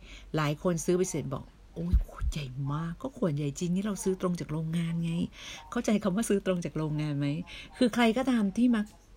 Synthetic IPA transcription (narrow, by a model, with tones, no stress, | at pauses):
laː˨˩˦jkʰo˧nsɯː˦˥pa˧jseː˨˩˦nbɔ̰ː˨˩k̚ | ʔoː˧˥jkʰu̥˧˩ja˨˩jmaː˥˩kːɔː˥˩kʰu˨˩ənja˨˩jt͡ɕi˧ŋt̪ʰiː˥˩ɾa˧wsɯː˦˥t̪ɾo˧ŋt͡ɕaː˨˩k̚ɾoː˧ŋːaː˧nŋa˧˥jkʰa˥˩wt͡ɕa˧jkʰa˧mwaː˥˩sɯː˦˥t̪ɾo˧ŋt͡ɕaː˨˩k̚ɾoː˧ŋŋaː˧nma˦˥jkʰɯː˧kʰɾa˧jkɔː˥˩t̪aː˧mt̪ʰiː˥˩ma˦˥k̚